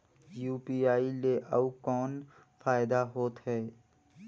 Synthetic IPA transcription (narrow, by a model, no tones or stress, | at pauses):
juːpiaːileʔɐʋkɔːn | fʰaːɪd̪aɦoːt̪ɦɛː